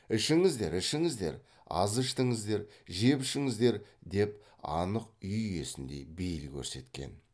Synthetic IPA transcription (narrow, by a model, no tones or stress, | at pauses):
ɪʃɪŋɪzd̪e̞ɾɪʃɪŋɪzd̪e̞̰ɾ | ɑ̰zəʃt̪əɴəzd̪e̞ɾ | ʒe̞pɪʃɪŋəzd̪e̞ɾd̪e̞p | ɑ̰nəq̚ʏjʏje̞̰sɪnd̪e̞̰bejlkʲʰɵ̰ɾse̞t̪kʲe̞̰n